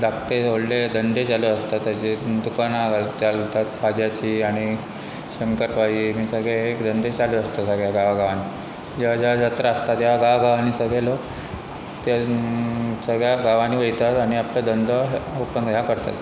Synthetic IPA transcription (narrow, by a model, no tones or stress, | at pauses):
d̪akt̪eoɽled̪ənd̪et͡saleəst̪at̪ːad͡ʑed̪ukanaɡalt̪jalt̪at̪kʰad͡ʑjat͡ɕiːaɽ̃i | ɕəŋkəɾpajiːmiːsəɡɭeekd̪ənd̪et͡ɕaləəst̪asəɡɭjaɡaʋaɡaʋaniː | d͡ʑeʋad͡ʑeʋad͡zat̪ɾəəst̪at̪jaɡaaɡaʋanisəɡʱɭelok | t̪a | səɡɭjaɡaʋaniːʋəɭit̪at̪aɽ̃iapləd̪ənd̪ʱəopənɡəɦjakəɾt̪a̰t̪